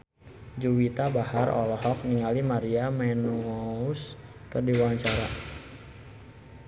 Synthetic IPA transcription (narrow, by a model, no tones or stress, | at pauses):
d͡ʒuwit̪abahaɾɔ̰lɔɦɔk̚niŋalimaɾiamɛnuɔuskərdiwaɲt͡ʃaɾa